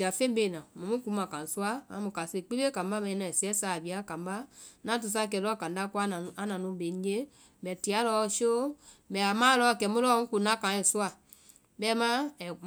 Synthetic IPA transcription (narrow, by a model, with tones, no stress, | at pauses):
a˨fẽ˦be˨nã˨mũ˨mũ˦ku˦mã˨kã˨su˦a˦ã˨˦mũ˨ka˨se˦˨k͡pi˦be˦kã˨m˦ba˦mɛ̃˨ĩ˦nã˨si˨ɛ˦saː˨bi˨a˨˦kã˨mba˦nã˦t̬u˨s̬a˦˨k̬ɛ˨lɔ˦˨kã˨nda˦ku˦a˦ñ˨a˨˦nã˨nũ˦be˨˦d͡ʒe˦ | bɛ˨ti˨a˨˦lɔ˧˦so˦bɛ˨a˨mã˦lɔ˦˨kɛ˨˦mũ˦lɔ˦mũ˦ku˨nã˦kã˨˦ɛ˨su˦a˨ | bɛ˦mã˦ɛ˨